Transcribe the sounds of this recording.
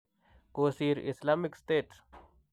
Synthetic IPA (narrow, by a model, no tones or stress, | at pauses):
koːsiːɾɪ̰slaːmɪksʈ̪eːʈs